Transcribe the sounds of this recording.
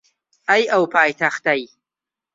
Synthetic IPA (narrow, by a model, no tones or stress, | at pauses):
ɐjɐwpʰaːjt̪ʰaxt̪ɐj